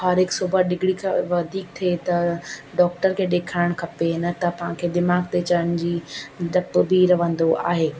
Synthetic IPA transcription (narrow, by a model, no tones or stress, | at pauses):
aːɾɦɪksuːbəɗɪɡɽikʰaʋɐd̪ʱiːk̚t̪ʰet̪ɐɖɔːk̚ʈəɾkʰeːɗeːkʰaːɪɽ̃kʰɐpenɐt̪ɐpɐ̃ɦãkʰeːd̪ɪmaːɡt̪et͡ɕɐəɽ̃d͡ʑiːɗɐpbʱiɾɐʋə̃n̆d̪oʔa̰ːɦeː